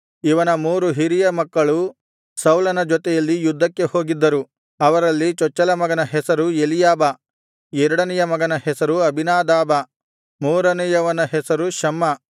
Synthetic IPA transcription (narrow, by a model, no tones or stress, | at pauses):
iʋɐnɐmuːɾuɦiɾijɐmɐkːɐɭu | sɐwlɐnɐd͡ʒɔt̪ɛjɐlːijud̪ʱːɐkːeho̞ːɡid̪ːɐɾu | ɐʋɐɾɐlːit͡ʃɔt͡ʃːɐlɐmɐɡɐnɐɦɛsɐɾujelijaːbɐ | ɛɾɐɽɐnɛjɐmɐɡɐnɐhɛsɐɾuɐbʱinaːd̪aːbɐ | muːɾɐnɛjɐʋɐnɐɦɛsɐɾuʃɐmːɐ